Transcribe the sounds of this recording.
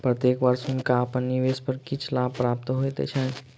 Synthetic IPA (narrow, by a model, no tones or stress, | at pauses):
pɾət̪jekʋəɾsunkaːpənːiʋespəɾkit͡ʃʰlab̚pːɾap̚t̪ɦojt̪ḛt͡ʃʰə